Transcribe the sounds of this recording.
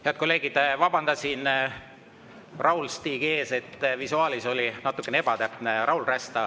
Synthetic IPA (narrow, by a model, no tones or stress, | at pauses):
heɑt̪̚ko̞le̞ːɡ̥id̪̥vɑb̥ɑnd̪̥ɑsin | rɑwlst̪iːɡ̥ie̞ːse̞t̪ːvisuɑːliso̞linɑt̪ːˑukːˑeneebɑt̪æpneɾʔɑwlræst̪ɑ